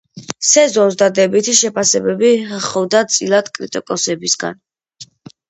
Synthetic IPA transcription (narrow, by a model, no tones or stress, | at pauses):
sɛzɔnsd̪ad̪ɛbit̪ʰiʃɛpʰasɛbɛbiχɔvd̪at̪sʼilˠad̪̥kʼɾit̪ʼɔkʼɔsɛbisɡa̰n